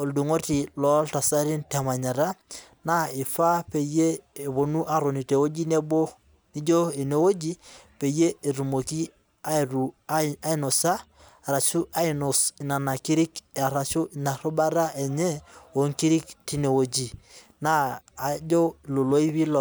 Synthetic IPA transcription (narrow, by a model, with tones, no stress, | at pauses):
o˨ldu˨ŋo˦ti˨lɔ˦lta˨sa˦ɾi˦ntɛ˨ma˨ɲa˨ɾa˦ | na˦ɪ˨fa˦pe˨je˦e˨βo˨nu˦ʔa˨ɾo˨ni˨te˨wo˦d͡ʒi˦ne˦bo˦ | ni˦d͡ʒo˦e˨ne˦wo˦d͡ʒi˦pe˨je˦e˨ɾu˨mo˨ki˦ | a˦˨ɾu˨˦a˦i˦no˨sa˦˨ | ɾa˨t͡ʃu˦ʔa˦i˨no˨sna˨na˨ki˦ɾi˦ka˨ɾa˨t͡ʃu˦ɪ˨na˨ɾo˦ba˦ɾa˦ʔɛ˨ɲɛ˦o˨ŋki˦ɾi˦k̚ti˦ne˨wo˨d͡ʒi˨ | naː˦˨d͡ʒo˦˨lo˨lo˦i˦βi˦l